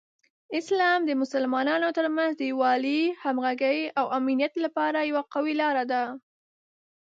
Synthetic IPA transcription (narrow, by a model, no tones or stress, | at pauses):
ɪslɑmd̪əmʊsalmɑnɑnot̪əɾmanzd̪əwɑlihamɣaɡəjawaminjat̪lapɑɾajawaqawilɑɾad̪a